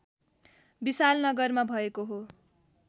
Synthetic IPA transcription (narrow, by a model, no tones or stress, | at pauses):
bisalnʌɡʌrmabʱʌekoɦo